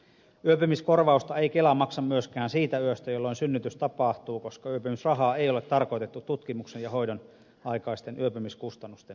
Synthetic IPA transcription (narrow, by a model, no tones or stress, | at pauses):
yøpymisko̞rʋɑust̪ɑe̞ikelɑmɑksɑmmyøskæːnsiːt̪æyøst̪æjolːoinsynːyt̪yst̪ɑpɑˑht̪uːko̞skɑyøpymysrɑɦɑːejo̞le̞t̪ːɑrko̞jt̪et̪ːut̪ːut̪kimuksenjɑɦo̞jdon | ɑikɑist̪enʔyøpymiskust̪ɑnːust̪en